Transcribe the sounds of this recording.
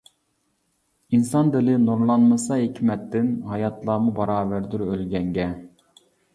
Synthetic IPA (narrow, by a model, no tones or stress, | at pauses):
insɑnd̪ɪlɪnoɾlˠɑnmɨsɑɦekʲʰmɛt̪ʰːɪnɦɑjɑt̪ʰlˠɑːmubɑɾɑːvæɾd̪yɾølɡʲɛŋɡʲɛ